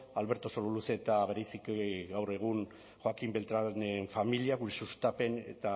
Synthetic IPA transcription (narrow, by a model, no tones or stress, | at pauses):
alβe̞ɾt̪o̞sololuset̪aβe̞ɾajsikɡawre̞ɣ̞un | xwakimbelt̪ɾaneɱfamiliaɣuɾesust̪ape̞ne̞̰t̪a